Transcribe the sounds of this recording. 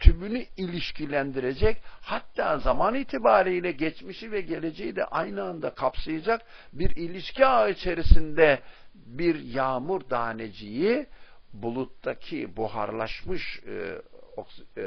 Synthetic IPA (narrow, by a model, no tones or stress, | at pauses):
t̪ʰybynyilʲiʃcʰilʲænd̪iɾe̞d͡ʒɛchat̪ːaːzamaniːt̪ʰibaːɾijlʲɛɟɛt͡ʃmiʃivɛɟe̞lʲe̞d͡ʒejid̪ɛ̰ʔajnɯand̪akʰapsajad͡ʒak̚ | biɾilʲiʃciait͡ʃʰe̞ɾisind̪ɛbiɾjaːmuɾd̪aːned͡ʒijibulˠut̪ːacʰḭbuha̰ɾlˠa̰ʃmɯʃ | ok